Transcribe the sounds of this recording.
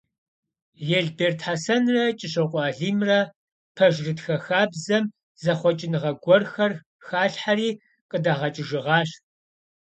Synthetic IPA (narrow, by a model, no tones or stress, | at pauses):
jɛɮbeːrtʰħaːsɐnrɐt͡ʃʼɪɕɐqʷʼɔaːɮiːmrɐ | pʰɐʒrɨtxɐxaːbzɐm | zɐχʷɔt͡ʃʼɪnɨʁɐɡʷɔrxɐr | xaːɬħaɾiː | qʼədaːʁɐt͡ʃʼɪʒɪʁɑːɕ